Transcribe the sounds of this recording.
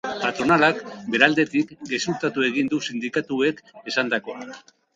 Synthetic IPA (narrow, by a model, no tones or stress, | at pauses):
pat̪ɾo̞nalakbe̞ɾald̪e̞t̪ikɡe̞suɾt̪at̪ue̞ɣ̞ind̪usind̪ikat̪ue̞ke̞sand̪ako̞